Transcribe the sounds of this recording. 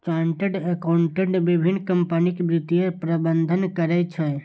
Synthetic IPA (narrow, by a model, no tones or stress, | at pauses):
t͡ʃaɳʈəɖekauɳʈeʈbibʱinːkəmpənikebɾit̪ijepɾəbənd̪ʱənkəɾɛt͡ʃʰɛ